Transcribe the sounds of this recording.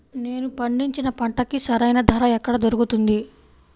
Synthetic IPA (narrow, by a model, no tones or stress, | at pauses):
ne̞ːnupɐɳɖiɲt͡ʃinɐpɐɳʈɐkisɐɾɐjnɐd̪ʱɐɾɐɛkːɐɽɐd̪oɾukut̪und̪i